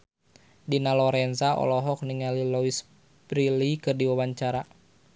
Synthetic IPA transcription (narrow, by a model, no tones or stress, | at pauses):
dinalɔɾɛnsaʔɔ̰lɔɦɔk̚niŋalilɔis | b̥ɾilikɨrdiwawaɲt͡ʃaɾa